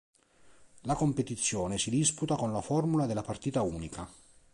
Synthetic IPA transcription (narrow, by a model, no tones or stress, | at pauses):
lakompet̪it̪sːjɔːnesid̪isput̪akonlafɔrmulad̪elːapart̪iːt̪auːnika